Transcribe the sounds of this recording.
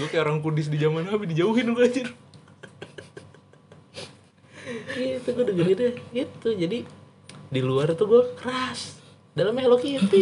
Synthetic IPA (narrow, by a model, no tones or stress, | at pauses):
ɡuakajaoɾaŋkudɪs̬did͡ʒamanhabidid͡ʒauɦɪnuɡad͡ʒar | ɡit̪uɡuadəɡəlidaɡit̪ud͡ʒadi | diluart̪uɡuakəɾas | dalamelokit̪ɪ